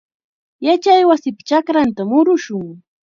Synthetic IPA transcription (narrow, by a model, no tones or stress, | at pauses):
jat͡ʃajwasɪpḁt͡ʃakɾant̪amʊɾʊʃʊŋ